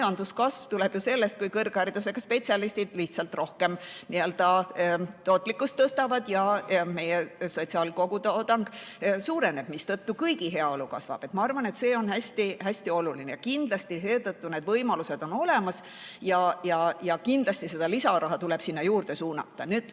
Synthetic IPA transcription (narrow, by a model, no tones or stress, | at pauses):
jɑnd̪uskɑsv̥t̪uleb̥juse̞lːest̪̚kujkɤrɡ̥ɑrd̪use̞ɡ̥ɑspe̞tsiɑlist̪id̪̥liht̪sɑlt̪ro̞hke̞mniøld̪̥ɑ | t̪o̞ːt̪ːˑlikːˑust̪ːɤst̪ɑvɑd̪̥jɑme̞jeso̞tʲsiɑlko̞ɡ̥ut̪ɑt̪ɑŋɡ̥suːɾe̞ne̞b̥mist̪ɤt̪ːukɤjɡiɦe̞ɑo̞lukɑ̰svɑ̰b̥e̞t̪ˑmɑɑrvɑne̞t̪se̞ːo̞nhæsʲt̪ihæsʲt̪io̞lulinejɑkind̪̥lɑst̪ise̞ːt̪ɤt̪ːune̞ːd̪vɤjmɑluse̞d̪̥o̞no̞le̞mɑs | jɑjɑjɑkind̪̥lɑst̪ise̞d̪̥ɑlisɑɾɑɦɑt̪uleb̥sinːɑjuːrd̪̥e̞suːnɑ̰t̪ːɑ̰nyːd̪̥